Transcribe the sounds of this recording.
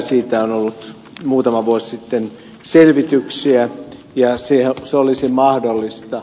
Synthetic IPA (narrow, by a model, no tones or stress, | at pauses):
siːt̪æonolːut̪ | muːt̪ɑmɑʋuossit̪ːen | selʋit̪yksiæ | jɑseseolisimɑhdolːist̪ɑ